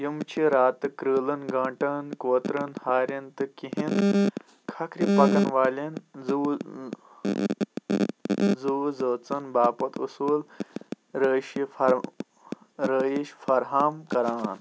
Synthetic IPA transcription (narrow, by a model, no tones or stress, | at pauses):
jimt͡ʃʰiɾaːt̪ɨkɾɨːlɐnɡãːɳʈɐnkoːt̪ɾɐnhaːɾʲɐnt̪ɨkiɦin | kʰɐkʰɾipɐkɐnʋaːlinuː | zuːzət͡sɐnbaːpɐt̪ṵsuːl | ɾəɕifɐ | ɾəjiʃfɐɾɦaːmkɐɾaːn